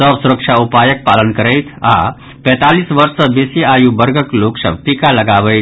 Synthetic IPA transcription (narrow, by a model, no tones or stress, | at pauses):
əʋsuɾəkʂʰaupaːjək̚paːlənkəɾəjt̪ʰa̰ | pɛ̃ːt̪aliːsʋɐɾsəbesiaːjubəɾɡəkloːksə̰bpikalɐɡaːʋəj̪